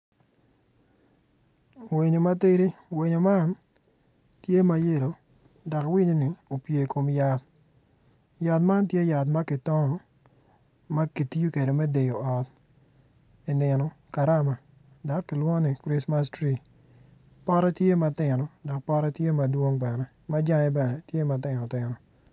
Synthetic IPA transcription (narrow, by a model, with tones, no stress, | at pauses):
we˨ɲo˨ma˦te˦ɾi˦we˨ɲo˨ma˦n | tje˦ma˦je˦˨ɾo˨ | dɔ˨kwi˦ɲo˦ni˨o˨pje˨ko˨mja˨t̚ | ja˨tma˦ntje˦ja˨t̬ma˦kɪ˨tɔ˦ŋɔ˦ | ma˦ki˨ti˦ju˦ke˨do˨mɛ˦de˨jo˨ɔ˨t̚ | i˨nɪ˨nɔ˨ka˨ɾa˦ma˨ | dɔ˨kkɪ˨lwɔ˦nɪ˨kɾi˦sma˦stɾi˨ | pa˦ɾɔ˦tje˦ma˨tɪ˨nɔ˨dɔ˨k̚pa˦ɾɔ˦tje˦ma˨dwo˦ŋbɛ˨nɛ˨ | ma˦d͡ʒa˦ŋɛ˦bɛ˨nɛ˦tje˦ma˨tɪ˨nɔ˨tɪ˨nɔ˨